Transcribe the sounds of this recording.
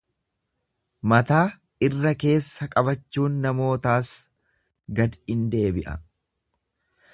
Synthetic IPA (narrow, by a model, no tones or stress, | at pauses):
mɐt̪aː | ɪrːɐke̞ːsːɐkʼɐbɐt͡ʃːuːnːɐmo̞ːt̪aːs | ɡɐd̪ɪnd̪e̞ːbɪʔɐ̰